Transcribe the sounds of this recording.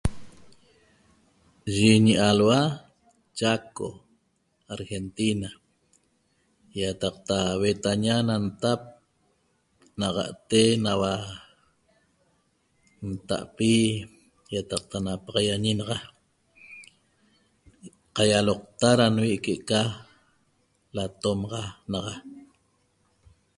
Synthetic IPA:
ʒiɲiʔalwa | t͡ʃako̰ | aɾxent̪ina | jat̪ɑq̚t̪awet̪aɲanant̪ap̚ | naʁɑ̰ʔt̪enawa | nt̪a̰ʔpi | jat̪ɑq̚t̪anapɑʁɑjaɲinɑʁɑ | qɑjaloq̚t̪aɾanwiʔkeʔka | lat̪omɑʁɑnɑʁɑ

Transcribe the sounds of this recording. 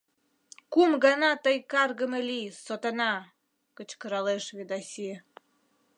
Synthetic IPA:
kumɡɑnɑt̪ɤjkɑrɣə̆melʲisot̪enɑ | kə̆t͡ɕkəɾɑleʃβed̪ɑsʲi

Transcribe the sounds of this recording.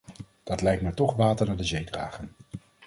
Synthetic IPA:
d̥ɑtlɛjk̚tmɛtɔχʋaːtəɹnaːdəzejdra̰ːχən

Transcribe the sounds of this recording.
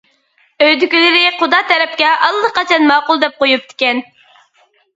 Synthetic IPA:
øjd̪ykʲilɪɾɪχʊd̪ɑt̪ʰɛɾɛp̚kʲɛɑlˠːəqɑt͡ʃʰɑnmɑːqʊlˠd̪ɛp̚qojup̚t̪ʰɪ̥kʲɛn

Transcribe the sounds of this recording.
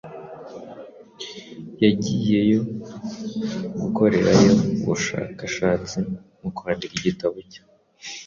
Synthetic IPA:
jaɟije̞jo̞ | ɡuko̞ɾe̞ɾajo̞βṵʃa̰kaʃaːt͡simukwandiɡɡiɟitaβucḁ

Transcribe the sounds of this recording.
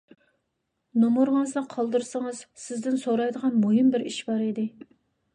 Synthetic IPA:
nomoɾʁzd̪ˠɑqʰɑlˠd̪ɨɾsəŋɨz̥sɪzd̪ɪnsoɾɑjd̪əʁɑnmoɦimbɪɾiʃbɑɾid̪ɪ

